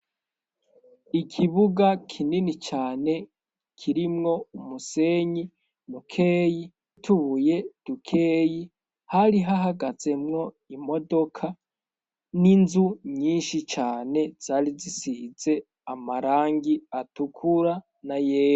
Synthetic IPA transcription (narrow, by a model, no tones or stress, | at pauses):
ikʰiβuɡakʰininit͡ʃaːne̞ | kʰiɾimŋo̞umuse̞ːɲi | nukʰe̞ːji | tʰuβuje̞d̥ukʰe̞ːji | haɾiɦaɦaɡaz̥e̞mŋo̞ | imo̞do̞kʰa | ninzuɲiːnʃit͡ʃaːne̞z̥aːɾizisize̞ | amaɾaːŋɡiatukʰuɾa | najeːjo